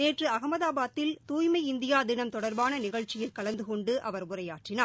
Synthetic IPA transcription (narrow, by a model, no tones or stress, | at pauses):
neːʈrɯɐɣɐmɐðaːbaːt̪ːɪlt̪uːjmɐɪɪnd̪ɪjaːd̪ɪnɐmt̪ɔɽɐɾbaːnɐnɪɣɐɭt͡ʃːɪjɪlkɐɭɐnd̪ɯkɔɳɖɯʔɐʋɐɾʊrɐjaːʈrɪnaː